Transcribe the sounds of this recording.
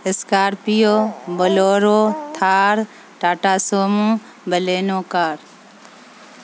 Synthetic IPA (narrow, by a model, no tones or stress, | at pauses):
ɪskaːɾpijoːbəloːɾoːt̪ʰaːɾ | ʈaːʈaːsoːmũː | bəleːnoːkaːɾ